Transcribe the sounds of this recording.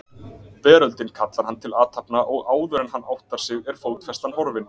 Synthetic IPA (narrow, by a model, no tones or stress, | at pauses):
pɛːɾœlt̪ɪnkʰat̪laɾ̥hant̪ʰɪlaːt̪hapnaʔɔɣaːwðʏɾɛnɦanːa̰wht̪aɾ̥sɪɣɛɾ̥foːw̪t̪fɛst̪anhɔɾvɪn